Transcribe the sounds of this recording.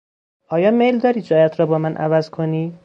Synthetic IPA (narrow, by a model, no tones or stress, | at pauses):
ɒːjɒːmejld̪ɒːɾiːd͡ʒɒːjæt̪ɾɒːbɒːmænʔæ̰væzkʰoniː